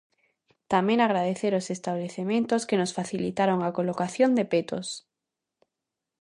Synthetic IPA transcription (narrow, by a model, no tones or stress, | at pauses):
t̪amẽŋaɣ̞ɾaðeθeɾosest̪aβleθemẽnt̪oskenosfaθilit̪aɾoŋakolokaθjond̪epet̪os